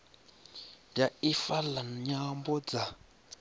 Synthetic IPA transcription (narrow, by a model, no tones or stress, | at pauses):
daifalaɲambɔd͡za